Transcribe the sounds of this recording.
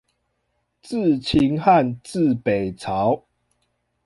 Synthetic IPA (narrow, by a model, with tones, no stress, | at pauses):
t͡s̩˥˨t͡ɕʰi˧˦ŋha˥˨nt͡sɹ̩˥˨pe˨˩ɪt͡sʰa˨˦ʊ